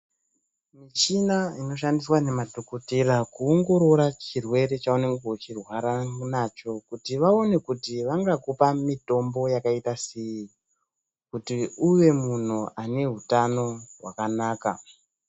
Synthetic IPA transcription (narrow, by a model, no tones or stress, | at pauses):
mit͡ʃinaino̞ʃ̬andiswane̞madʱokoterakuoŋɡo̞ɾo̞ɾat͡ʃirwe̞ɾe̞t͡ʃaune̞ŋɡet͡ʃirwaɾanat͡ʃo̞kutiʋao̞ne̞kutiʋaŋɡakopamito̞mbo̞jakaitaseji | kutiuʋe̞mun̤uane̞ɦutano̞rwakanaːka